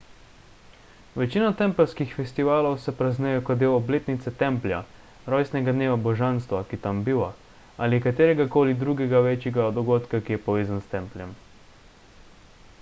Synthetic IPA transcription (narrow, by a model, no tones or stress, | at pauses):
ʋɛt͡ʃiːnat̪ɛmpɛlskixfɛst̪iʋaːlɔwsɛpɾaznɛjɛkɔd̪eːwɔbleːt̪nit̪sɛt̪ɛmplja̰ | ɾɔjsnɛɡad̪neːʋabɔʒanst̪ʋakit̪ambiʋa | alikat̪eːɾɛɡakoːlid̪ɾuːɡɛɡaʋeːt͡ʃjɛɡad̪ɔɡoːt̪kakijɛpɔʋeːzanst̪ɛmplʲjɛm